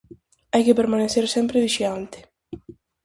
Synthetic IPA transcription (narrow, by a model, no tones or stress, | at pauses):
ajkepeɾmaneθeɾsɛmpɾeðiʃiant̪ɪ̥